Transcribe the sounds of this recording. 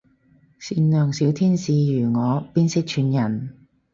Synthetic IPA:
siː˧nnœː˨ŋsiː˨˥wt̪ʰiː˥nsiː˨˧jyː˨˩ŋɔː˨˧piː˥nsɪ˥k̚t͡ʃʰyː˨˧njɐ˨˩n

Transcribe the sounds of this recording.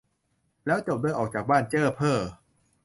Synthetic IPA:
lɛː˦˥wt͡ɕo˨˩p̚d̪aː˥˩jʔɔː˨˩k̚t͡ɕaː˨˩k̚baː˥˩˨nt͡ɕɤː˥˩pʰɤː˥˩

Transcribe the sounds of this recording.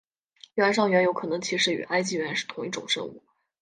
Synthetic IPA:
ɥɛ˧˥nʂ̬ɑ˥˩ŋɥɛ˧˥njo˧˥ʊkʰɤ˨˩nɤ˧˥ŋt͡ɕʰi˧˥ʂɻ̩˧˥y̰˨˩ʔa˥ɪt͡ɕi˥ɥɛ˧˥nʂɻ̩˥˩t̪ʰʊ˧˥ŋi˥˩ʈ͡ʂʊ̰˨˩ŋʂɤ̰˥ŋṵ˥˩

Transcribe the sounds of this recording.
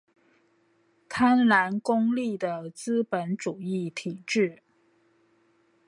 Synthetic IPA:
t̪ʰa˥nla˧˥nkʊ˥ŋli˥˩d̪ə˩t͡sɹ̩˥pə˧˥nʈ͡ʂu˨˩i˥˩t̪ʰi˨˩ʈ͡ʂɻ̩˥˩

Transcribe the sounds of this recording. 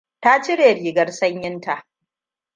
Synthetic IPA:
ta˦t͡ʃɪ˦ɽeː˨ɾiː˨ɡɐ˦rsɐ˦ɲjɪ˦nta˨ʔ

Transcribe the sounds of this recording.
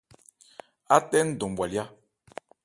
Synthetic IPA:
a˦tɛ˦n˦˨do˨mbwa˨lja˦

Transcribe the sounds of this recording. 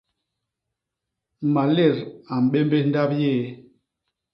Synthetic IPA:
ma˨le˦˨ɾa˨m̩˨ɓe˦mbe˦n̩˦da˦pje˦˨

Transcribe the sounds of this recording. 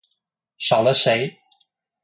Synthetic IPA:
ʂɑ˨˩ʊlə˦ʂe˧˥ɪ

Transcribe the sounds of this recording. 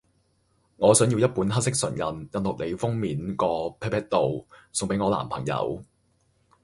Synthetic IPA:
ŋɔː˨˧sœː˨˥ŋjiː˧wjɐ˥t̚puː˨˥nɦɐ˥t̚sɪ˥k̚sɵ˨˩njɐ˨˩njɐ˨nlɔ˨k̚ne˨˧jfʊ˥ŋmiː˨˥nkɔː˧pʰɛ˥pʰɛː˥k̚t̪o˨wsʊ˨ŋpe˨˥jŋɔː˨˧la̰ː˨˩mpʰɐ˨˩ŋjɐ̰˨˥w

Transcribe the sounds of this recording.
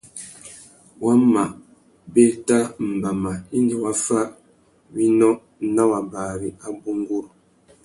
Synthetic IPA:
wa˦ma˨ʔ | be˦ta˦m̩˨ba˨ma˨i˦ndi˨wa˦fa˦ | wi˦nɔ˦ | na˦wa˨ba˨ɾi˨a˦bu˦ŋ˦ɡu˦ɾ

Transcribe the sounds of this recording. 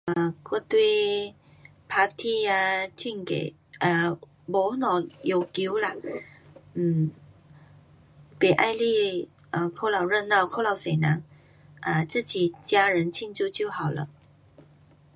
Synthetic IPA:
ʔə˨˩kwɔ˧˥˧t̪we˥˧ | pʰa˧˥t̪ʰi˥˩a˧t͡ɕi˥˧nkḛ˨˩ | ʔə˧˩ | bɔ˨˥˦nɔ˨˩jo˨˩ki˧˦wla˨ | m̩˨˩ | pe˨˩ʔa˥˧jli˥˧˩ | ʔə˨˩kʰo˧˥˩la˨˩ʊɻə˥˧nna˥˩˨kʰo˥˩la˨˧˦wse˨˩na˨˦ŋ | ʔə˨˩t͡sɹ̩˥˨t͡ɕi˨˩t͡ɕja˧ɻə˨˧˦nt͡ɕʰi˥˧nt͡su˥˧˨t͡ɕjo˥˩ʊha˨˩wlə̰˧˦

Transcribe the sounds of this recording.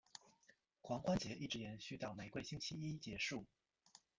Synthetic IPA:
kʰwɑ˧˥ŋxwa˥nt͡ɕjɛ˧˥ʔi˥˩ʈ͡ʂɻ̩˧˥jɛ˨˧˥nɕy˥˧t̪ɑ˥˩ʊme˨˩ɪkwe˥˩ɪɕi˥nt͡ɕʰi˥i˥t͡ɕjɛ˧˥ʂu˥˩

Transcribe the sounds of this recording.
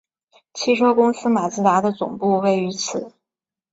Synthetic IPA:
t͡ɕʰi˥ʂʰwɔ˥kʊ˥ŋsɹ̩˥ma˨˩t͡sɹ̩˥˩t̪a˧˥d̪ə˧t͡sʊ̰˨˩ŋpu˥˧we˥˩ɪy˧˥t͡sʰɹ̩˨˩˦

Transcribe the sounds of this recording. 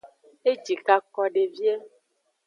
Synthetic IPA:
e˦d͡ʒi˨ka˦kɔ˦ɖe˨vi˦ɛ˦

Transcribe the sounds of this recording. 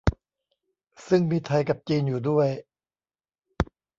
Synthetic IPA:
sɯ˥˩ŋmiː˧t̪ʰa˧jka˨˩p̚t͡ɕiː˧njuː˨˩du˥˩əj

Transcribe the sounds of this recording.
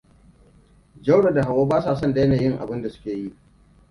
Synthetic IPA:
d͡ʒa˦wɽa˨da˨ɦa˨woː˦baː˦saː˨sɔ˦nda˨jɐ˦naː˨jɪ˦ŋʔa̰˨bɪ˦nda˨sʊ̥˦kʲeː˨ji˦ʔ

